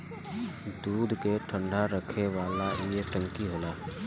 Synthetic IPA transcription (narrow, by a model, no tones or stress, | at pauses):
d̪uːd̪ʱkeʈʰə̃ɳɖʱaɾəkʰeʋaːlajeʈə̃ŋkiɦoːlaː